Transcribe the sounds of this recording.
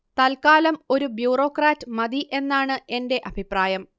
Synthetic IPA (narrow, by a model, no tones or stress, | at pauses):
t̪ɐlkaːlɐmo̞ɾubjuːro̞ːkraːtːɨmɐd̪iʔe̞nːaːɳɨe̞nde̞ʔɐbʱipraːjɐm